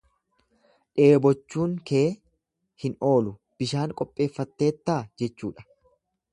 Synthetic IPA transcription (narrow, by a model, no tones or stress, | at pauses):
ᶑe̞ːbɔt͡ʃːuːŋke̞ː | hɪno̞ːlʊ | b̥ɪʃaːŋkʼɔpʼːe̞ːfːɐt̪ːe̞ːt̪ːaːd͡ʒɛt͡ʃːṵːᶑɐ̥